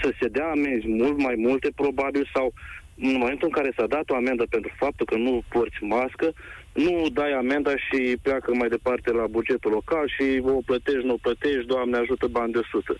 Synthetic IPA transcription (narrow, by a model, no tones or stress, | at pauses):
səse̞d̪eaːme̞nzʲmult̪majmult̪e̞pɾo̞babilsaw | ɨnmo̞me̞nt̪uɨŋkaɾe̞sad̪at̪o̞ame̞nd̪əpe̞nt̪ɾufap̚t̪ulkənuport̪sʲmaskə | nud̪ajame̞nd̪aʃiplakəmajd̪e̞part̪e̞labud͡ʒe̞t̪ulo̞kalʃioplət̪e̞ʃt̪nuoplət̪e̞ʃt̪̚d̪oamneaʒut̪əband̪esut̪ə